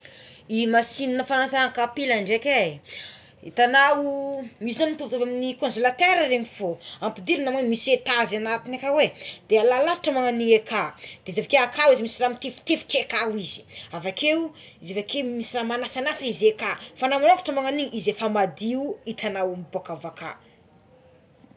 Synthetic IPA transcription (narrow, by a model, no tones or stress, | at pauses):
imasininəfanasaakapilaɳɖ͡ʐeke | it̪anawmisizanmit̪uvut̪ovaminikõnzolat̪eɾəɾeŋifoampid̪ilunamemiset̪azanat̪inakawed̪̥ealalaɾaʈ͡ʂəmaŋaniŋekʰad̪̥ezevakeakawizimisiramit̪efu̥t̪efu̥ʈ͡ʂekawizi̥avake | izevakemisiramanasanasaizekafanamanafḁʈ͡ʂəmaŋaniɲʔizefamad̪iuit̪ʰanawmbakavaka̰